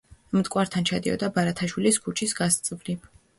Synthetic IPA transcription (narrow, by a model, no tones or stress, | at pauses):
mt̪ʼkʼwaɾt̪ʰant͡ʃʰad̪iɔ̰d̪abaɾat̪ʰaʃwiliskʰut͡ʃʰisɡast̪sʼvli